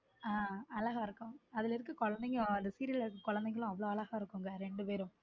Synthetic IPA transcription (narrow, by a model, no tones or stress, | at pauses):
aːɐlɐɣaːɪɾɯkːʊ̃ɐðɪlɪɾɯkːɯkɔɻɐnd̪ɛŋɡɐɭɐnd̪ɐsiːɾillɪɾɯkːɯkɔɻɐnd̪ɐɛŋɡɐɭʊ̃ɐʋːɐɭoːɐɭɐɣaɪɾɯkːʊŋɡɐɾɛɳɖɯpeːɾʊ̃